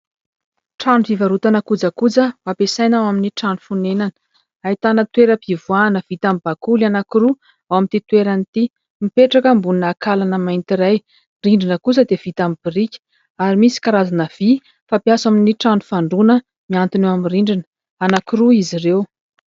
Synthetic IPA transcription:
ʈ͡ʂanuvivaɾut̪anakud͡zakud͡zəmapesajnawaminiʈ͡ʂanu̥funenanə̥ | ait̪anət̪weɾəpivuanəv̥it̪amib̥akulanakiɾu | awamint̪it̪weɾanit̪i | mipeʈ͡ʂakəmbuninakalanəmajnt̪iɾaj | riɳɖ͡ʐinəkuzəd̪ev̥it̪amib̥irikʲə̥ | aɾimisi̥kaɾazanəv̥i | fapjasaminiʈ͡ʂanufaɳɖ͡ʐunə | miant̪inewamiriɳɖ͡ʐinə̥ | anakiɾuizirew

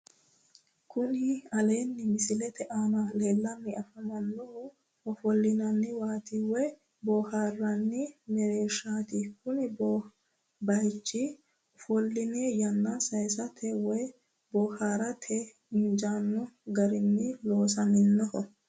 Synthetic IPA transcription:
kʊnɪɐle̞ːnːɪmɪsɪlɛt̪ɛʔaːmale̞ːlːɐmːɪɐfɐmɐnːɔhɔ | ɔfɔlːɪnɐnːɪwaːt̪iwɔj | bɔːhaːrːɐnːɪmɛɾeːʃaːt̪ikʊnɪbɔ | bɐjt͡ʃːɪ | ɔfɔlːɪnejɐnːasɐjsɐt̪ʰɛwɔj | bɔhaːɾɐt̪ʰɛ | ɪnd͡ʒaːnːɔɡɐɾɪnːɪloːs̬ɐmɪnːɔhɔ

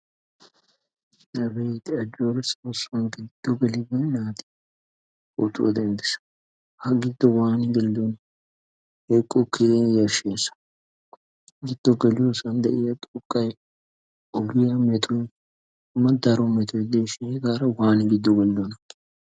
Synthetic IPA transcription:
nɐbet̪ɪɐd͡ʒoːɾsɔsɐnkɪɡɪd̪̥ːɔɡɛlɪɡɔjnaːt̪ɪ̥ | ʊt̪ṵd̪ɛnd̪ɪsɐ̥ | hɐɡɪd̪ːɔwaːnɪɡɛlːon | hekʼːɔkːɪd̪enjɐʃeːsɐ̥ | ɡɪd̪̥ːɔɡɛlɪosɐnd̪ɐʔɪjɐt̪ʼʊkʼːɐj | ʔɔɡɪjɐmɛt̪ʰʼʊj | mɐd̪ɐɾɔmɛt̪ɔjd̪eːʃɪɡaːɾɐwaːnɪɡɪd̪ːɔɡɔlːɔnɐ

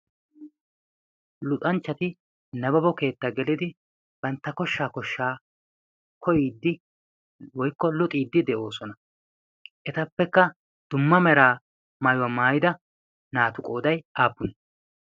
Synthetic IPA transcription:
lʊt̪ʼɐnt͡ʃːɐt̪ɪ | nɐbɐbɔke̞ːt̪ːɐɡɛlɪd̪ɪ | b̥ɐnt̪ːɐkɔʃːaːkɔʃːaː | kʰɔjiːd̪ːɪ | wɔjkːɔlʊt̪ʼiːd̪ːɪd̪ɛʔo̞ːsɔnɐ | ʔɛt̪ɐpːɛkːɐ | d̪̥ʊmːɐmɛɾaː | maːjʊwɐmaːjɪd̪ɐ | naːt̪ʊkʼo̞ːd̪ɐjʔaːpːʊnɛ

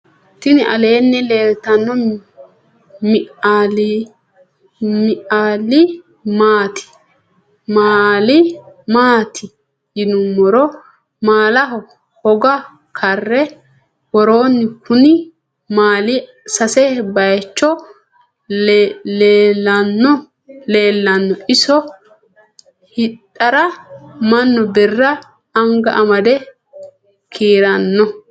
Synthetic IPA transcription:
t̪ɪnɪʔɐle̞ːnːɛleːlt̪ɐnːɔ | mɪʔal | mɪʔaːlɪ | maːt̪ʰɪ̥ | maːlɪmaːt̪ʰɪ | jɪnʊmːɔɾɔ | maːlɐɦɔ | hɔɡɐ | kʰɐrːɛ | wɔɾoːnːɪkʰʊnɪ | maːlɪ | sɐsɛbɐjt͡ʃːɔ | leːlːɐnːɔ | leːlːɐnːɔʔɪsɔ | hɪt̪ʼːɐɾɐmɐnːɔbɛrːɐː | ŋɡɐʔɐmɐd̪ɛ | kʰiːɾɐnːɔ

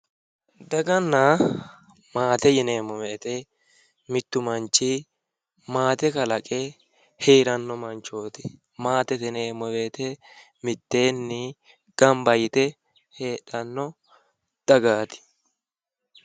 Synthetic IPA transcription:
d̪ɐɡɐnːa | maːt̪ɛjɪneːmɔweːt̪ɛ | mɪt̪ːʊmɐnt͡ʃːi | maːt̪ɛkɐlɐkʼe | heːɾɐnːɔmɐnt͡ʃoːt̪ɪ̥ | maːt̪ɛt̪ɪneːmɔwe̞ːt̪ɛ | mɪt̪ːe̞ːnːɪ | ɡ̥ɐmbɐjɪt̪ɛ | heːᶑɐnːɔ | d̪̥ɐɡaːt̪ɪ̥

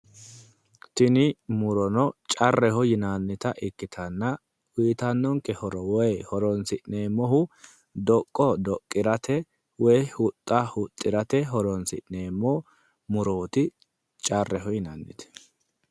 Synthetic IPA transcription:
t̪ɪnɪmʊɾɔnɔt͡ʃʼɐrːɛhɔjɪnanːɪt̪ɐʔɪkːɪt̪ʰɐnːɐ | wiːt̪ɐnːɔŋkːɛhɔɾɔwɔjhɔɾɔnsɪʔneːmːɔɦʊ | d̪ɔkʼːɔd̪ɔkʼːɪɾɐt̪ʰɛ | wɔjhʊt̪ʼːɐhʊt̪ʼːɪɾɐt̪ɛɦɔɾɔnsɪ̰ʔneːmːɔ | mʊɾoːt̪ɪ | t͡ʃʼɐrːɛɦɔjɪnɐnːɪ̰t̪ɛ̥

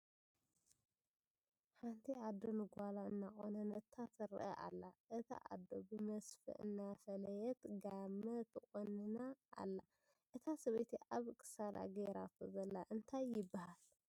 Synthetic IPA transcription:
ħant̪ʰiʔad̪ːo̞nɨɡʷalaɨnːakʼonɐnɐt̪ʰːat̪ɨɾɨ̰ʔɐ̰ʔa̰lːaʔɨt̪ʰa̰ʔa̰d̪ːo̞bɨmɐsfɨ̰ʔɨ̰nːafɐlɐjɛt̪ɡamːɐt̪ʰɨkʼonɨnaʔːlːa | ʔɨt̪ʰasɐβɐt̪ʰiʔaβkʰʼɨ̥sala̰ɡeɾat̪ʰozɐlːaʔɨnt̪ʰajːɪbːahal

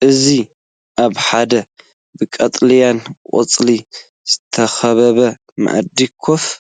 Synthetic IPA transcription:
ʔɨzi | ʔaβħad̪ɐ | bɨkʼɐt̪ʼljankʼo̰t͡sʼli | z̥ɨt̪ʰɐxɐβɐβɐ | ma̰ʔɐ̰d̪ikʰof

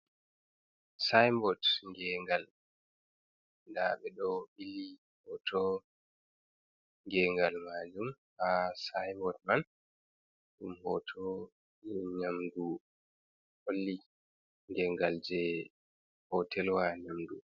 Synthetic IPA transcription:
sajmbɔtŋɡɛŋɡal | ndaɓɛɗɔɓili | hɔtʰɔ | ŋɡɛːŋɡalmad͡ʒumhasajmbɔt̚man | ɗumhɔtʰɔ | ɲamdu | holːi | ŋɡɛŋɡald͡ʒɛ | hɔtʰɛlwaɲamdu

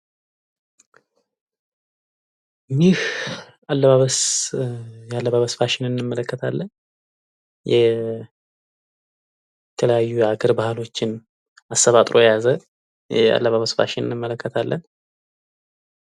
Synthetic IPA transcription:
jih | alːəβaβəs | jalːəβaβəsfaʃɪnɨnːɨmːələkːət̪ʰalːən | jɛ | t̪ʰələjajːuɛaɡəɾbahlo̞t͡ʃːɪn | asːəβat̪ʼɾo̞jazə | jɛa̰lːəβaβəsfa̰ʃɪnɨ̰nːɨmːələkːət̪ʰalːən

